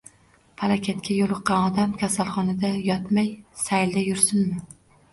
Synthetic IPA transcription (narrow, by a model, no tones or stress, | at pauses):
pʰalˠakʲʰat̪kʲʰajolˠʊqːɑnɒd̪amkʲʰasalˠχɒnad̪ajɒt̪majsajld̪ajʊɾsʊnmɪ